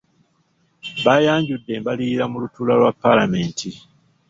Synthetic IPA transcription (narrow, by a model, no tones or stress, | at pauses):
βajaːɲɟudːe̞ːmbaliiɾamulutuːlalwapːalame̞ːntʰi